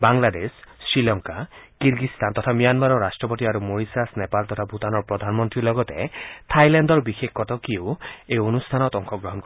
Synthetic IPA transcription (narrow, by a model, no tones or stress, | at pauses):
baŋlad̪esːɾilɔŋkakiɾɡist̪ant̪ɔt̪ʰamijanmaɾɔɾasʈɾɔp̬ɔt̪iaɾumoɾisasnepalt̪ɔt̪ʰabʱut̪anɔɾpɾɔd̪ʱanmɔnt̪ɾilɔɡɔt̪ḛt̪ʰajlandɔɾbixekʰːɔt̪ɔkioeonust̪ʰanɔt̪ɔŋkʰɔɡɾɔɦɔnkɔ